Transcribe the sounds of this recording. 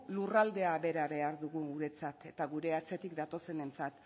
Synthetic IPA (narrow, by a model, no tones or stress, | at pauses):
lurald̪e̞aβe̞ɾaβe̞aɾðuɣuɣuɾe̞t͡sat̪e̞t̪aɣuɾe̞at͡se̞t̪ikd̪at̪o̞se̞ne̞nt͡sat̪